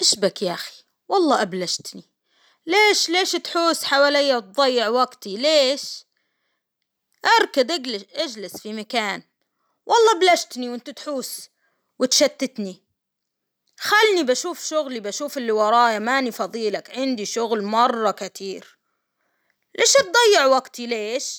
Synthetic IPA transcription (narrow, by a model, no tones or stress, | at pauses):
ʔaʃbakjaʔxi̥ | wɑlˤːɑːʔablaʃt̪ni | leːʃleːʃt̪ħuːsħawaːlijːat̪̚ðˤɑjːɪʕwaɡt̪ileːʃ | ʔɑɾˤkad̪ʔaʔad͡ʒlɪsfimakaːn | wʔɑlˤːɑːʔablaʃt̪niwɪnt̪at̪ħuːs | wɪt̪ʃat̪ːɪt̪ni | xalːnibaʃuːfʃʊɣlibaʃuːfɪlːiwɑɾˤɑːjamaːnifɑðˤiːlakʕɪnd̪iʃʊɣlmɑrˤːɑkat̪ʰiːɾ | lʔeːʃt̪̚d̪ˤɑjːɪʕwaɡt̪ileːʃ